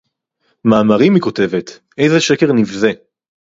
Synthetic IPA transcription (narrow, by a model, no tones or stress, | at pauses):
maːmaʁimiko̞te̞ve̞t̪ | e̞jzeʃe̞ke̞ʁnivze